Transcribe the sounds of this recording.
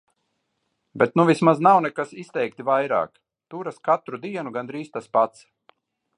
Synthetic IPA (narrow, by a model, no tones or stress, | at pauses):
bɛt̪nuvismaznawnɛkasist̪ɛjk̚t̪ivajɾa̰ːk | t̪uɾaskat̪ɾud̪iɛnuɡand̪ɾiːst̪aspat̪s